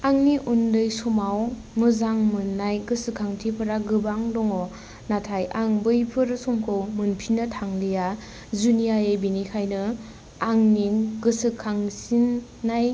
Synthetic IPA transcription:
aŋniʔundɯjsɔmaw | ŋɯzaŋmɯnːajɡɯsɯkʰaŋtʰipʰɯɾaɡɯbaŋdɔŋɔ | natʰajaŋbɯjpʰɯɾɯsɔmkʰɯwmɯnpʰinɯtʰaŋlija | zunijaebinikʰajnɯ | aŋniɡɯsɯkʰːaŋsinː | aj

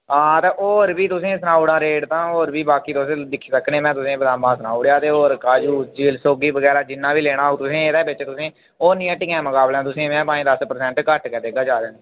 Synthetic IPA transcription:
ɦãːt̪ẽːʔoːɾbiːt̪ʊsẽːsənaːuɽãːɾeːʈt̪ãːoːɾbiːbaːkiːt̪ʊsẽːd̪ɪkʰːiːsəkʰneːmɛ̃ːt̪ʊsẽːbəd̪ãːmãːsənaːuɽjaːt̪eːoːɾkaːd͡ʒuːd͡ʒiːlsoːɡiːbəɡɛːɾaːd͡ʒɪnːãːbiːleːɽ̃aːɦt̪ʊsẽːed̪eːbɪt͡ʃt̪ʊsẽː | oːnɪjãːʈɪkãːməkaːblãːt̪ʊsẽːmɛ̃ːpãːĩːd̪əspəɾsɛ̃ːɳʈkəʈkɛd̪eːɡaːd͡ʒaːɾeːne

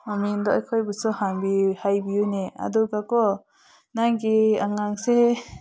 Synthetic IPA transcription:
mamind̪ɔʔajkʰɔjbɔsɔhaŋbihajbijunea̰d̪ɔɡakɔ | naŋɡiaŋaŋse

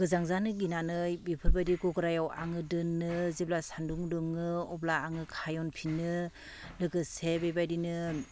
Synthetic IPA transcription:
ɡ̥ɯzaŋzanɯɡinanɯjbipʰɯbajdiɡɔɡɯɾajawʔa̰ŋɯdɯnːɯzeblasanduŋdɯŋːɯɔblaːŋɯkʰajɔnpʰinɯ | lɯɡɯsebebajdinɯ

